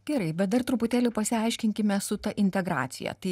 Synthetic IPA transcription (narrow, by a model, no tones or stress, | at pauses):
ɡ̥ʲɛɾɐɪbʲɛt̪̚d̪ɐrt̪ɾʊpʊt̪ʲæːlʲʊpɐsʲɪɐɪʃʲkʲɪŋʲkʲɪmʲɛsʊt̪ɐʔɪnʲt̪ʲɛɡɾɑ̰ːt̪sʲɪ̰jɛ̰t̪ɐɪ